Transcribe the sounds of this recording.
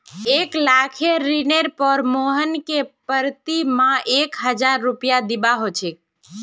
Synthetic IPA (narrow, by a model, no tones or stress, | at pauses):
eklakʰeɾineɾpəɾmoɦənkepəɾt̪imãʔekɦəd͡ʒaɾːupijad̪ibaɦot͡ʃʰek̚